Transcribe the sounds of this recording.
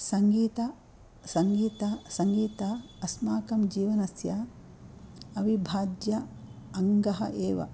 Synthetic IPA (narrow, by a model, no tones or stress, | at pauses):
sɐŋɡiːt̪ɐ | sɐŋɡiːt̪ɐsɐŋɡiːt̪aɐsmaːkɐmd͡ʒiːʋɐnɐsja | ɐʋibʱaːd͡ʒjɐɐŋɡɐɦɐ̰ʔeːʋɐ̰